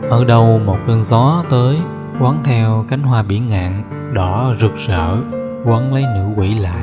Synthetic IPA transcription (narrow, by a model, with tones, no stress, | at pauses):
ʔəː˧˩ɗə˧wmo˨˩t̚kɨ˧nzɔ˨˦t̪əː˨˦j | kwaː˨˦nt̪ʰɛ˧wka˨˦jŋ̟ɦwaː˧ɓḭ˧˩ənŋa̰ː˧˨n | ɗɔ˧˩˦zɨ˨˩k̚zə̰ː˧˨ | kwə˨˦nlə˨˦jnɨ̰˧˥kwḭ˧˩la̰ː˧˨j